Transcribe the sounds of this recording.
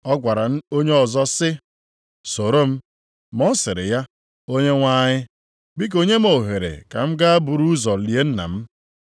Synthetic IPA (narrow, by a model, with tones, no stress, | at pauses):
ɔ˦ɡʷa˨ɾa˨n̩˦o˦ɲe˦ɔ˨zɔ˦sɪ˦ | so˨ɾo˦m̩˦ | mɔ˦sɪ˨ɾɪ̰˨ja˦ | o˦ɲe˦ŋʷa˦ɲɪ˦ | bi˦k̬o˦ɲe˦m̩˦o˨ɦe˨ɾḛ˨ka̰˨m̩˦ɡa˦a˦bu˨ɾu˦zɔ˨li˨e˦n̩˦na̰˨m̩˦